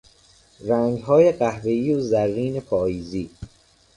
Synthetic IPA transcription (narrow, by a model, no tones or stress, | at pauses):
ɾæŋɡɦɒːjeɢæhve̞iːozærːiːnepʰɒːjiːziː